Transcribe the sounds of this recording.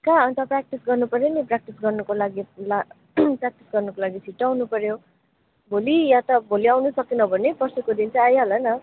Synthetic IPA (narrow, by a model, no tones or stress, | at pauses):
kãʌnt̪ʰʌprak̚ʈisɡʌrnupʌɾjoniprak̚ʈisɡʌrnʌkolaɡila | prak̚ʈi̥sɡʌrnʌkolaɡit͡sʰiʈːawnupʌɾjo | bʱolijat̪ʌbʱoliawnusʌkinʌbʱʌnepʌrsekod̪int͡sʌj̃ajɦolanʌ